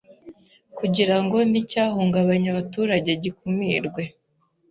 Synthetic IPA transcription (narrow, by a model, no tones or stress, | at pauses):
kuɟiɾaŋɡo̞nicaːhuːŋɡaβaɲaβatuːɾaɟe̞ɟikumiːɾɡwe̞